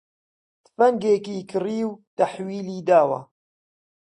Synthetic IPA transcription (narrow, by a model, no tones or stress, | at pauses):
t̪fɐŋɡeːkiːkɨriːwt̪ɐħwiːliːd̪aːwɐ̰